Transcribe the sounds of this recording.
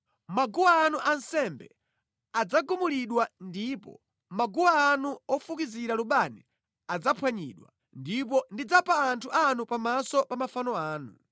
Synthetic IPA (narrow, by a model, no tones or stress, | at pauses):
maɡuwaːnuʔansɛmbɛ | ad͡zaɡumuliɗwandipɔ̰ | maɡuwaːnuɔfukiziɾaluɓani | ad͡zapʰwaɲḭɗwa̰ | ndip̬ɔndid͡zapaːntʰuʔanupamasɔpamafanɔaːnu